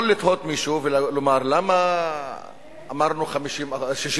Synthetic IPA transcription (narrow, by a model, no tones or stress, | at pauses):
lit̪hot̪miʃuvellomaʁlama | maʁnuχamiʃimʃiʃ